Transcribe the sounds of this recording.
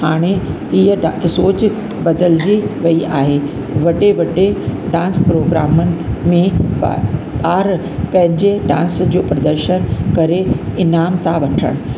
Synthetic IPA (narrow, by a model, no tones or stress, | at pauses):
haːɽ̃e | ɪɦəsoːt͡ɕ | bɐd̪əld͡ʑiʋɐiʔaːɦe | ʋɐɗeʋɐɗeɖãːnspɾoːɡɾaːmənɪ̆mẽ | ɓaːɾ | pɐ̃ɦɪ̃ɲd͡ʑeɖã̰ːnsd͡ʑoːpɾɐd̪əɾʃənkɐɾeɪnaːmt̪ʰaʋɐʈʰə̰ɽ̃